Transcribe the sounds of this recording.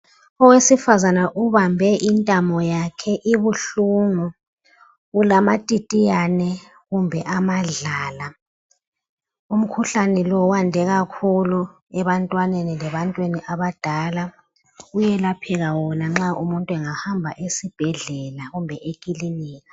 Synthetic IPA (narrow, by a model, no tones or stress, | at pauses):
ɔwesifazanaʔuβambʱɛʔintʼamɔjakʰɛʔiβuɬuːŋu | ulamatʼitʼijanɛ | ɣumbʱɛʔamaɮaːla | um̩kʰuɬanɛlɔwandʱɛɣakʰulu | ɛβantʼwanenilɛβantʼweniʔaβad̥ʱala | ujɛlapʰɛɣawɔnaŋ͡ǁaʔumuntʼwɛŋahambʱa̰ʔesib̥ʱɛɮɛlaɣumbʱɛʔekʼiliniːɣa